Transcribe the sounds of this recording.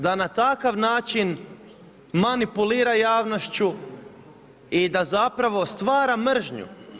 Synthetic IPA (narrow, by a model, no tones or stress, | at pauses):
d̪anat̪akaʋnaːt͡ʃin | manipuliːɾajaːʋno̞ʃt͡ɕu | id̪azapɾaʋo̞st̪ʋaːɾamr̩ʒɲṵ